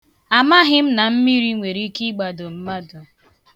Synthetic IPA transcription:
a˨ma˦ɦɪ˦m̩˦na˨m̩˦mi˦ɾi˦ŋʷe˨ɾi˦ki˦ɡ͡ba˨do˨m̩˦ma˦dʊ˨

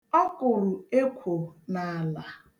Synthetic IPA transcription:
ɔ˦kʊ˨ɾʊ˨e˦kʷʰo˨na˨la˨

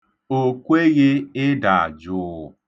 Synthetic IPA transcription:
o˨kʷe˦ɣɪ˦ɪ˦da˨a̰˨d͡ʒʊ˦˨

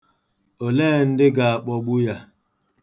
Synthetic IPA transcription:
o˨leː˦˨n̩˦dɪ˦ɡa˨a˨k͡pɔ˦ɡ͡bʊ˦ja˦

